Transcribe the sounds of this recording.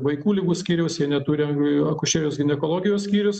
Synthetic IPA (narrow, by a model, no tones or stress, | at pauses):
ʋɐɪkuːlʲɪɡuːsʲkʲiːɾʲɛʊsjiɛnʲɛt̪uːɾʲɪɐkʊʃʲeːɾʲoʊsɡʲɪnʲɛkoːlˠoːɡʲɪjoːsʲkʲiːɾʲʊs